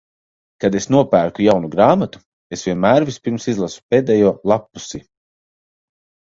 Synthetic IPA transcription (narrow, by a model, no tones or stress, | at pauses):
kad̪esnuɔpæːɾkujawnuɡɾaːmat̪u̥ | esvʲiɛnmæːɾvispʲiɾmsizlˠasu̥peːd̪ɛjuɔlˠapːusi